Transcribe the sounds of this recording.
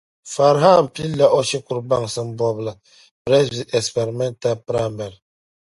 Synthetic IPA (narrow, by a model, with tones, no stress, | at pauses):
fa˨ɾɦa˦m̩˨pi˦la˦ʔɔ˦ʃi˦ku˨ɾba˦˨ŋsə˦m̩˦bɔ˨bla˨ | pɾɛ˦svi˨tɛ˨spe˨ɾi˨mɛ˦nta˦pɾa˦˨mbɛ˨l